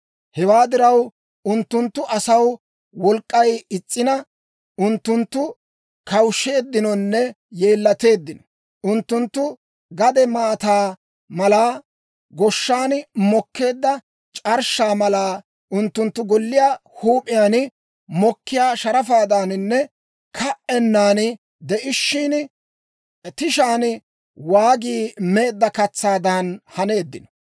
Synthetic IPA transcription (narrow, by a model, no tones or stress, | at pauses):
hɛwaːd̪ɪɾɐw | ʊnt̪ːʊnt̪ːʊʔɐsɐw | wɔlkʼːɐjɪt͡sʼːɪnɐ | ʔʊnt̪ːʊnt̪ːʊ | kɐwʃe̞ːd̪ːɪnɔnːɛ | je̞ːlːɐt̪e̞ːd̪ːɪnɔ̥ | ʔʊnt̪ːʊnt̪ːʊ | ɡɐd̪ɛmaːt̪aː | mɐlaː | ɡɔʃːaːnmɔkːe̞ːd̪ːɐ | t͡ʃʼɐɾʃaːmɐlaː | ʔʊnt̪ːʊnt̪ːʊɡɔlːɪjaːhuːpʼɪjaːn | mɔkːɪjaːʃɐɾɐfaːd̪aːnɪnːɛ | kʰɐʔɛnːaːn | d̪ɛʔɪʃːiːn | t̪ɪʃaːn | waːɡiːme̞ːd̪ːɐkɐt͡sːaːd̪aːnhɐne̞ːd̪ːɪnɔ